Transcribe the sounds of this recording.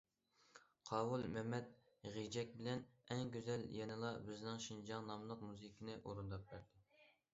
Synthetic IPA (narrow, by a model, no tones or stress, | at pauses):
qʰɑːwulˠmɛmɛt̪̚ | ʁid͡ʒɛk̚ʲbɪlɛnɛŋɡʲøzɛljɛnɨlˠɑbɪznɪŋʃind͡ʒɑŋnɑmlˠəq̚muzɨkʲʰinɪʔoɾund̪ɑp̚bæɾd̪ɪ